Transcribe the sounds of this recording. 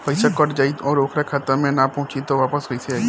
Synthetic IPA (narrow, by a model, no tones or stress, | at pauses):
pəjsakəʈd͡ʒaiõɾokʰɽakʰat̪əɾmẽnapəɦʊ̃t͡ʃit̪oʋapəsɦoit͡ʃʰe